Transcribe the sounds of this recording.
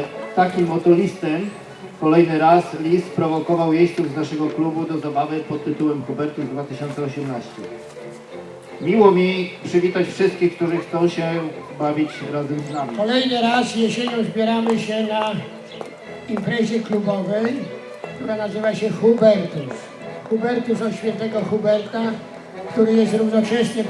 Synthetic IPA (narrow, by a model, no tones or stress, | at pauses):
t̪ːakʲimːɔt̪ɔlʲist̪ɛm | kɔlɛjnɘɾaslʲist̪̚pɾɔvɔkɔvawjejsuvznaʂɛɡɔklubud̪ɔzabavɘpɔt̪ːɘt̪uwɛmxubɛɾt̪uvd̪vat̪ɘɕɔnt̪sɛɔɕɛmnaɕt͡ɕɛ | mʲiwɔmʲipʂɘvʲit̪at͡ɕfʂɘst̪̚kʲixk̚t̪uʐɘxt̪sɔ̃w̃ɕɛbavʲit͡ɕɾazɛmznamʲikɔlɛjnɘɾasjeɕeɲɔ̃w̃zbʲjɛɾamɘɕɛna | impɾɛʑɛklubɔvɛj | kt̪uɾanazɘvaɕɛxubɛɾt̪us | xubɛɾt̪usɔɕfʲjɛnt̪ɛɡɔxubɛɾt̪a | kt̪uɾɘjɛst̪ɾuvnɔt͡ʂɛɕɲɛ